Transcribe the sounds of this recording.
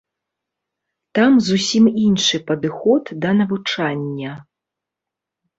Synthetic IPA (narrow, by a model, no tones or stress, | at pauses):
t̪amzusʲiminʂɨpɐd̪ɨxɔt̪d̪ɐnɐvut͡ʂanʲːɐ